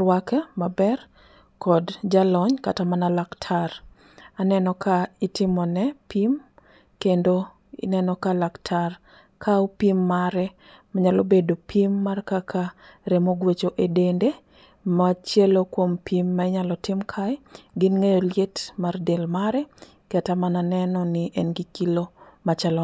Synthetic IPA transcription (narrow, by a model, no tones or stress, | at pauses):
wakɛmabɛr | kʰɔdd͡ʒalɔɲkatamanalaktʰar | anɛnɔkʰaitɪmɔnɛpim | kendo | ḭnɛnɔkalaktʰar | kʰaopimːaɾɛ | maɲalobedopimːarkakʰa | ɾemoɡwet͡ʃoʔedende | maat͡ʃjɛlokwompʰimːaɛɲalɔtɪmkʰaɛɡɪnŋejoljetmardelmaɾɛ | katamananɛnɔnɪʔɛnɡɪkilomat͡ʃalɔ